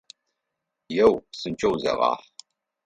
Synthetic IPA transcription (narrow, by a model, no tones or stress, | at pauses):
jɛwsɨnt͡ʃʼɐwzɐ̰ʁɑ̰ːħ